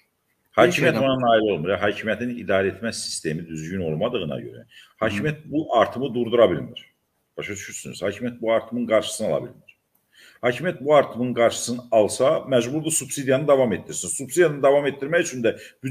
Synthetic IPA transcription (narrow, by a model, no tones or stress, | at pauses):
hɑːcʰimijæt̪onɑnɑːilo̞lˠmɯɾjɑɦɑːcʰimjæt̪ʰinid̪ɑːɾɛet̪mæsi̥st̪e̞mid̪yzɟyno̞̰lˠmɑd̪ɯʁɯnɑ̰ɟø̰ɾæ̰hɑːcʰimijæt̪̚buʔɑɾt̪ʰɯmɯd̪uɾd̪uɾɑbilmiɾ̥ | b̥ɑʃɑt͡ʃ̪ʰy̥ʃyɾsyny̰z̥hɑːcʰimjæt̪̚buɑɾt̪ʰɯmɯnɡɑɾʃɯ̥sɯnɑ̰lˠɑ̰bḭlmiɾ̥ | hɑːcʰimijæt̪̚buɑɾt̪ʰɯmɯnɡɑɾʃɯ̥sɯnɯɑlˠsɑmæd͡ʒbuɾd̪usub̥sid̪ijɑnɯd̪ɑvɑme̞t̪̚dːiɾsinsubsid̪jɑnɯd̪ɑvɑme̞t̪̚d̪ːiɾmæjyt͡ʃʰynd̪æ | b̥y